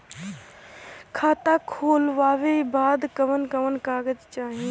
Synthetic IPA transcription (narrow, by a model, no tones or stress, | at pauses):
kʰaːt̪akʰoːlʋaːʋebaːd̪kəʋənkəʋənkaːɡəd͡ʒt͡ʃaːɦĩ